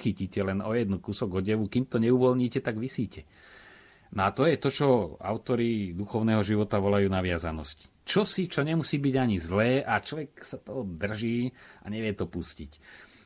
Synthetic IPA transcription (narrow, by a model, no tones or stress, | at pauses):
xiciːcɛlɛnɔjɛd̪nukusɔɡɔɟɛʋukimt̪ɔɲɛuʋɔlɲiːcɛt̪aɡʋisiːcɛ | nɔat̪ɔjɛt̪ɔt͡ʃɔa̰ʊt̪ɔɾid̪uxɔʊnɛːɦɔʒiʋɔt̪aʋɔlajuːnaʋɪazanɔsci̥t͡ʃɔsit͡ʃɔɲɛmusiːbiɟaɲizlɛːʔat͡ʃɔʋɛksat̪ɔɦɔd̪r̩ʒiːaɲɛʋɪɛt̪ɔpuscic